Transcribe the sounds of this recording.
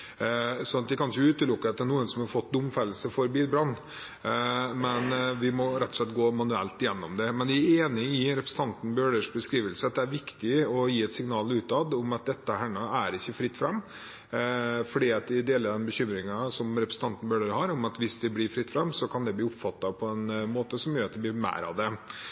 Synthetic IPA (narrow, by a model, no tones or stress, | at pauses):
sɔnɑt̪̚d̪ɛkɑnɪçʊʉːt̪əlʊkːəɑt̪̚d̪ænuːənsɔmhɑɾfɔt̪ːd̪ʊmfæləsəfɔɾbiːbɾɑnː | mɛnʋɪmɔɾɛt̪ːɔ̥ʂɭɛt̪̚ɡoːmɑnʉɛ̰lt̪ɪjɛnːɔmd̪ɛmɛnd̪ɛæeːnɪɪɾɛpɾsn̩ʰɑnt̪n̩bøːɖəʂbəskɾiːʋəlsəɑt̪̚d̪ɛæɾʋɪkt̪ɪɔjiːɛt̪sɪŋnɑːlʉːt̪ɑd̪ʊmɑt̪̚d̪ɛt̪ːəhæɳɔæɾɪçːəfɾɪt̪ːfɾɛmː | fɔɖiːɑt̪d̪ɪd̪eːləɖɛnbəɕʏmɾɪŋɑsɔmɾɛpɾəsn̩t̪ɑnt̪n̩bøːɖəɾɦɑɾʊmɑt̪ʋɪsd̪ɪblɪːɾfɾɪt̪ːfɾɛmːsɔkʰɑnd̪ɛbliːʊpfɑt̪ːɑpʰɔɛnmoːt̪əsɔmjøːɾɑt̪d̪ɛb̪ɪːɾmæ̰ːɾɑ̰ʋd̪ɛ